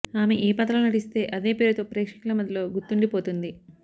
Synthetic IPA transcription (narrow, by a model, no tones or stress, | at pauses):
aːme̞ʔiːpɐt̪ɾɐlunɐʈist̪e̞ːʔɐd̪e̞ːpe̞ːɾut̪o̞ːpɾɛːkʂɐ̥kulɐmɐd̪ʱɐlo̞ːɡut̪ːuɳɖipo̞ːt̪und̪i